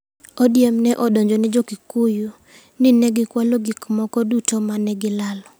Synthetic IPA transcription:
ɔdjemnɛʔɔdɔɲd͡ʒonɛd͡ʒokikuju | nɪnɛɡɪkwaloɡikmɔkɔdutomanɛɡɪlalɔ

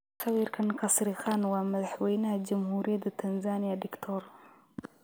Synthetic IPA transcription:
xawiɾkankasɾixɑːnwamaðħwejnad͡ʒamhuɾjad̪ət̪ʰanzɑnijaɖɪkt̪ʰoɾ

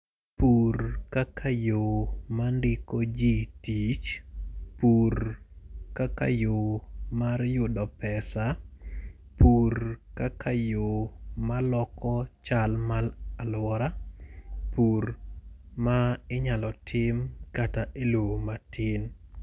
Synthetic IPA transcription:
purkakʰajomandɪkod͡ʒitit͡ʃpur | kaka̰jomarjʊdɔpɛsa | purkakʰajomalɔkɔt͡ʃalmalalwɔɾa | puɾ | maɪɲalɔtʰɪmkataʔelomatʰɪn

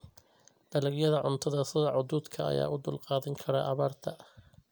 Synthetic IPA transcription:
d̪̥ɐlɐɡjɐðɐʕʊnt̪ʰɐðɐsɪðɐʕʊd̪uːd̪kʰɐɐ̰ja̰ːʔʊd̪ʊlqɑːðɐŋkʰɐɾɐʔɐβaːrt̪ʰɐ

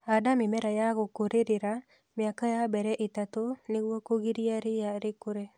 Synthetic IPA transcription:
adamɪmɛɾajaɡokoɾeɾɪɾa | mɪakajabɛɾɛʔɪt̪at̪onɪwokoɡiɾiaɾɪjaɾɪkʊɾe

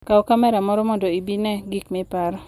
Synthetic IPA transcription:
kaokamɛɾamɔɾɔmɔndoibinɛɡikmɛpaɾɔ

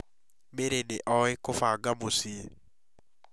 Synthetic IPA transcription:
meɾeneʔɔekofaːɡamosie

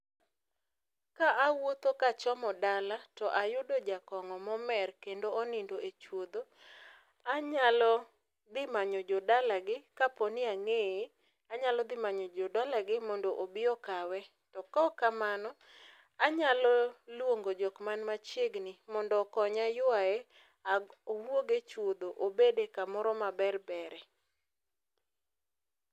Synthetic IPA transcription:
kaʔawot̪okat͡ʃɔmɔdalatɔʔajʊdɔd͡ʒakɔŋɔmɔmɛrkendoonindoet͡ʃwod̪o | aɲalɔ | d̪ɪmaɲɔd͡ʒɔdalaɡɪkapɔnɪaŋe | aɲalɔd̪ɪmaɲɔd͡ʒɔdalaɡɪmɔndɔʔobɪɔkawɛ | tɔkɔkamanɔ | aɲalɔlwoŋɡod͡ʒɔkmanmat͡ʃeɡnɪmɔndɔkɔɲajʊae | aɡowoɡet͡ʃwod̪oʔobedekamɔɾɔmabɛrbɛɾɛ

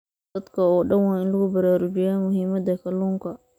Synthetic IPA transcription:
d̪ɐd̪kʰɐɔːɖɐnwaːɪnlɐɣʊbɐɾaːɾʊd͡ʒɪjaːmʊɦiːmɐd̪ɐkʰɐluːŋkɐ

